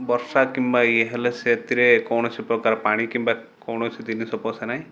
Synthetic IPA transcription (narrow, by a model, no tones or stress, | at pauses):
bɔɾsakimbajeɦeleset̪iɾekɔwɳ̃ɔt͡ʃʰipɾɔkaɾɔpaɽ̃ikimba | kɔwɽ̃ɔt͡ʃʰid̪inesɔpɔsenaɦĩ